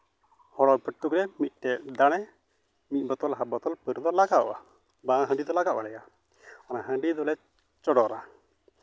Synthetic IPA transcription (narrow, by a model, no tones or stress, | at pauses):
hɔɽɔpəʈːukɾɛmit̪̚ˀʈɛd̪aɽ̃ɛ | mit̪̚ˀbɔt̪ɔlɦabɔt̪ɔlpəɾd̪ɔlaɡaʔʔa̰ | bãɦə̃ɳɖid̪ɔlaɡaʔwʔalɛja | ɔnaɦə̃ɳɖid̪ɔlɛ | t͡ʃɔɽɔɾa